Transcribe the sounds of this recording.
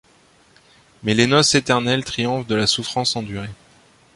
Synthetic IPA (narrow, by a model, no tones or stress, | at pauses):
mɛlenɔset̪ɛʁnɛlt̪χijɔ̃fd̪əlasufχɑ̃sɑ̃d̪yʁe